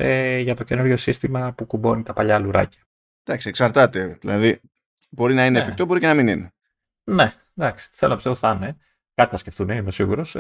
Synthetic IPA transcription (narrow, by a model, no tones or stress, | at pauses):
eʝɐt̪o̞ce̞nuɾʝo̞sist̪imɐpukubo̞nit̪ɐpɐʎɐluɾɐ̰cɐ̥ | d̪̥ɐksieksɐɾt̪ɐt̪e̞ðilɐði | bo̞ɾinɐinefik̚t̪obo̞ɾicenɐminine | ne̞ | d̪ɐksi̥θe̞lonɐpisoθɐne | kɐt̪i̥θɐsce̞ft̪uneimesiɣuɾo̞s